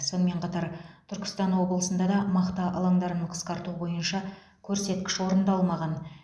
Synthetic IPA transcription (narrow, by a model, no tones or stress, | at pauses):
so̞nəme̞ɴqʰɑt̪ɑɾt̪ʰʏɾkʲɪ̥st̪ɑnwo̞bəlˠəsənd̪ɑd̪ɑmɑqt̪ɑʔɑlˠɑŋd̪ɑɾənəɴqʰə̥sqɑɾt̪ubo̞jənʃɑ | kʲʰɵɾse̞t̪kʲɪ̥ʃwo̞ɾənd̪ɑlˠmɑʁɑn